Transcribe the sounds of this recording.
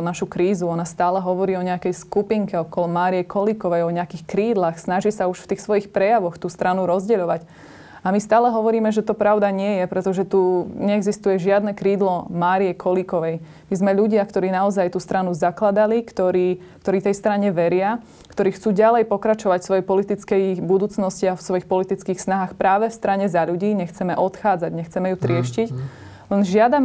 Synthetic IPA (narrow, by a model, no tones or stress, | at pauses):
naʃukɾiːzuɔnast̪aːlɛɦɔʋɔɾiːɔɲɛakɛjskupiŋkɛɔkɔlɔmaːɾijɛkʰɔlikɔʋɛjɔɲɛakiːxkɾiːd̪laxsnaʒiːsauʃft̪iːxsʋɔjixpɾɛjaʋɔxt̪uːst̪ɾanuɾɔzɟɛʎɔʋac | amist̪aːlɛɦɔʋɔɾiːmɛʒɛt̪ɔpɾaʊd̪aɲɪɛjɛpɾɛt̪ɔʒɛt̪uɲɛɛɡzist̪ujɛʒɪad̪nɛkɾiːd̪lɔmaːɾijɛkʰɔlikɔʋɛj | mizmɛʎuɟɪakt̪ɔɾiːnaɔzajt̪uːst̪ɾanuzaklad̪alikt̪ɔɾiː | k̚t̪ɔɾiːt̪ɛjst̪ɾaɲɛʋɛɾɪa | kt̪ɔɾiːxt͡suːɟalɛjpɔkɾat͡ʃɔʋacfsʋɔjɛpɔlit̪it͡skɛjbud̪uːt͡snɔsciafsʋɔixpɔlit̪it͡skiːxsnaɦaːxpɾaːʋɛfst̪ɾaɲɛzaʎuɟiːɲɛxt͡sɛmɛʔɔt̪xaːd͡zaɟɲɛxt͡sɛmɛjut̪ɾɪɛʃcic | lɛnʒɪad̪am